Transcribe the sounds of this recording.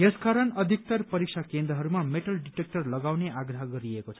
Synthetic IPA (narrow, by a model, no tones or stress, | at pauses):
jeskaɾʌnʌd̪ʱik̚t̪ʌrpʌɾik̚sʰakend̪ɾʌɦʌɾumameʈʌlɖiʈek̚ʈʌrlʌɡawneʔaɡrʌɦʌɡʌɾiekot͡sʰʌ̥